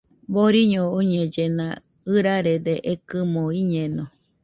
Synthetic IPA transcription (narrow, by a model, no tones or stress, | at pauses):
boɾiɲooɲed͡ʒenã̰ | ɨɾaɾed̪eʔekɨmoiɲeno